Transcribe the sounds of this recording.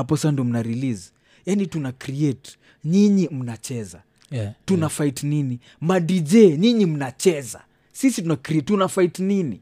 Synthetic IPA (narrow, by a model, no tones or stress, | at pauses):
apɔsandiɔm̩naɾiliz | janitunakɾiɛt | ɲiɲim̩nat͡ʃɛza̰ | tunafaitnini | madid͡ʒɛɲiɲim̩nat͡ʃɛza̰ | sisitunakɾiɛtːunafaitnini